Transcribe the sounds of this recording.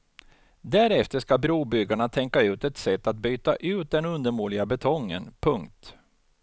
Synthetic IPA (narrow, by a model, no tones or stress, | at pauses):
d̪æɾɛft̪əʂkabɾuːbʏɡːaɳat̪ʰɛŋkaʉ̟ːt̪ɛt̪sɛt̪ːat̪̚byːt̪aʔʉ̟ːt̪̚d̪ɛnɵnd̪əɾmuːɭɪɡabɛt̪ʰɔŋːə̰npʰɵŋkt̪